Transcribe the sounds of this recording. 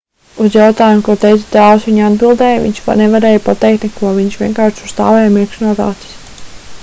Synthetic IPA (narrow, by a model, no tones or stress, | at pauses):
uzjawt̪aːjumkuɔt̪ɛjt̪su̥t̪aːusʋiɲad̪bilˠd̪ɛːjvḭɲʃnɛvaɾɛːjpat̪ɛjk̚t̪nɛkuɔviɲʃʋʲiɛnkaːɾʃu̥st̪aːvɛjmiɛkʃnuɔt̪a̰ːt̪i̥s